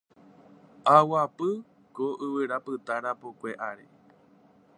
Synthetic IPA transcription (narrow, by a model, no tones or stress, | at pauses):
awapɨ | koʔɨʋɨɾapɨt̪aɾapokʷeʔaɾḛ